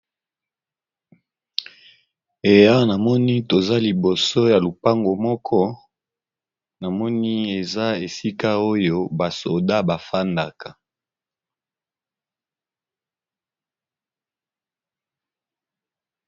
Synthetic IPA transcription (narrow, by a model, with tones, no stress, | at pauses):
e˨ja˦na˨mɔ˦ni˦to˨za˦li˨bo˨so˦ja˨lu˨pa˦ŋɡo˨mɔ˦kʰɔ˦ | na˨mɔ˦ni˦e˨za˦e˨si˦ka˦o˦jo˦ba˨so˨da˦ba˨fa˦nda˨ka˨